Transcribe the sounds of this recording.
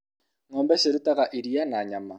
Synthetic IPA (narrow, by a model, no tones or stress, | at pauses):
ŋɔmbɛseɾutakaʔiɾianaɲama